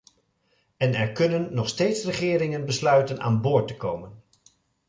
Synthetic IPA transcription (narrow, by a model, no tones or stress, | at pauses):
ɛnɛɹkɵnənːɔχstejtsrəχɪːɾɪŋənbəslœɥtəna̰ːnbʊːɹtəkowmən